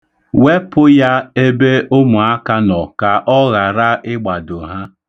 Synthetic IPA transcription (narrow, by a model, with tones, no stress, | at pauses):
we˦pʊ˦ja˦e˦be˦ʔo˦mu˨a˦ka˦nɔ˨ka˨ʔɔ˦ɣa˨ɾa˦ʔɪ˦ɡ͡ba˨dʊ˨ɦa˦